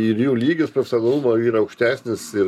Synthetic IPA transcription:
ɪrjuːlʲiːɡʲɪspʲɐsʲɐɡ̪ɐlˠumoːiːɾɐɐʊkʃʲt̪ʲæːsʲnʲɪsɪ

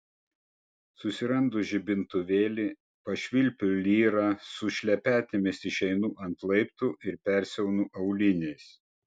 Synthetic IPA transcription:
sʊsʲɪɾɐnd̪ʊʒʲɪbʲɪnt̪ʊʋʲeːlʲi | pɐʃʲʋʲɪlʲpʲʊlʲiːɾɑsʊʃʲlʲɛpʲæːt̪ʲɪmʲɪsɪʃɛɪnuːʔɐnt̪lˠɐɪpt̪uːʔɪɾpʲɛɾʲsʲɛʊnuːʔɐʊlʲɪnʲɛɪs

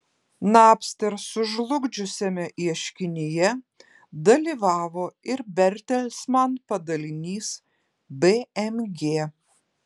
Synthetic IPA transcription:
nɑːpʲsʲt̪ʲɛɾsʊʒlˠʊɡd͡ʒʲʊsʲɛmʲɛʔiɛʃʲkʲɪnʲɪjɛ | d̪ɐlʲiːʋɑːʋoːɪɾbʲɛɾʲt̪ʲɛlʲsmɐnpɐd̪ɐlʲɪnʲiːs | beɛmɡʲeː

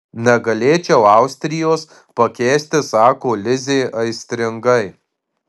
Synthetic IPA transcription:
nʲɛɡɐlʲeːt͡ʃʲɛʊɑˑʊsʲt̪ʲɾʲɪjoːs | pɐkʲeːsʲt̪ʲɪsɑːkoːlʲɪzʲeːʔɐɪsʲt̪ʲɾʲɪŋɡɐɪ

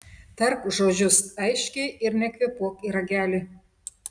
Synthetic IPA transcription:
t̪ɛrkʒoʒʲʊsɛjʃʲkʲeʔɪrnʲɛkʲʋʲepuɔkiɾɐɡʲælʲi

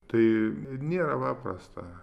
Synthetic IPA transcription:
t̪ɐɪnʲeːɾɐpɑːpɾɐ̰st̪ɐ

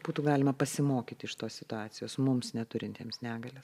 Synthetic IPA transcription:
buːt̪uːɡɑːlʲɪmɐpɐsʲɪmoːkʲiːt̪ʲɪɪʃt̪oːssʲɪt̪ʊɑːt̪ʲɪjoːsmʊmsnʲɛt̪ʊɾʲɪnʲt̪ʲiɛmsnʲæːɡɐlʲeːs

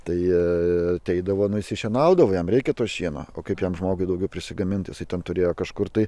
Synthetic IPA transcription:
t̪ɐɪɐt̪ʲɛɪd̪ɐʋoːnʊɪsʲɪʃʲiɛnɐʊd̪ɐʋoːjɛmrʲɛɪkʲɛt̪oːʃʲiɛno̰ːo̰ːkɐɪpjɛmʒmoːɡʊɪd̪ɐʊɡʲɛʊpʲɾʲɪsʲɪɡɐmʲɪnt̪jɪsɐɪt̪ʲɛnt̪ʊɾʲeːjoːkɐʃkʊrt̪ɐɪ

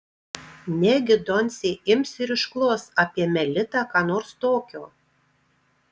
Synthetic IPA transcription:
nʲɛɡʲɪd̪ɔnʲsʲeːɪmʲsʲɪɾɪʃklˠoːsɑːpʲiɛmʲɛlʲɪt̪ɑkɑːnoːɾst̪oːkʲoː

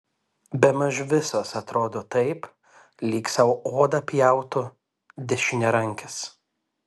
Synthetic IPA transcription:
bʲɛmɐʒʋʲɪsoːsɐt̪ɾoːd̪oːt̪ɐɪp | lʲiːksɐʊoːd̪ɐpʲjɛˑʊt̪ʊ | d̪ʲɛʃʲɪnʲɛɾɐŋʲkʲɪs

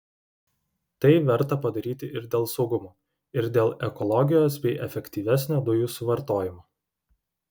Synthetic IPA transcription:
t̪ɐɪʋʲɛɾˑt̪ɐpɐd̪ɐɾʲiːt̪ʲɪʔɪɾd̪ʲeːlˠsɒʊɡʊmoː | ɪɾd̪ʲeːlˠɛkɔlˠɔɡʲɪjoːsbʲɛɪʔɛfʲɛkʲt̪ʲiːʋʲæsʲnʲoːd̪ʊjuːsʊʋɐɾt̪oːjɪmoː

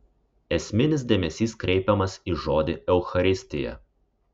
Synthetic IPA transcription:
ɛsʲmʲɪnʲɪs̬d̪ʲeːmʲɛsʲiːskɾʲɛɪpʲɛmɐsiːʒoːd̪ʲɪɛʊxɐɾʲɪsʲt̪ʲɪjɛ̰

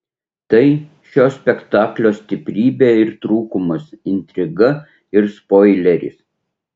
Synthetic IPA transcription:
t̪ɐɪ | ʃʲoːsʲpʲɛkt̪ɑːklʲoːsʲt̪ʲɪpʲɾʲiːbʲeːɪɾt̪ɾuːkʊmɐsɪnʲt̪ʲɾʲɪɡɐ | ɪɾspoːɪlʲɛɾʲɪ̰s

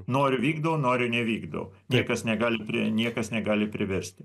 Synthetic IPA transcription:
noːɾʲʊʋʲiːɡd̪ɐʋnoːɾʲʊnʲɛʋʲiːɡd̪ɐ̰ʋ̰nʲiɛkɐsnʲɛɡɑːlʲɪpʲɾʲɪ̰nʲiɛkɐsnʲɛɡɑːlʲɪpʲɾʲɪʋʲɛɾʲsʲt̪ʲ

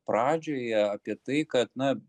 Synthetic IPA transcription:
pɾɑːd͡ʒʲoːjɛɐpʲiɛt̪ɐɪkɐt̪nɐ

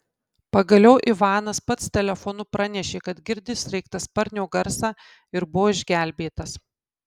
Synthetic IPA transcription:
pɐɡɐlʲɛʊʔɪʋɑːnɐspɐt̪st̪ʲɛlʲɛfonʊpɾɐnʲɛʃʲeːkɐt̪ɡʲɪɾʲd̪ʲɪsɾʲɛɪk̚t̪ɐspɐɾʲnʲoːɡɐɾsɑː | ɪɾbʊʋoːɪʒʲɡʲæˑlʲbʲeːt̪ɐs

